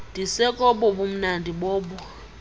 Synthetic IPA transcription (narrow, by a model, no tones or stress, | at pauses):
d̥ʱisɛkʼɔɓɔɓum̩nandʱiɓɔːɓɔ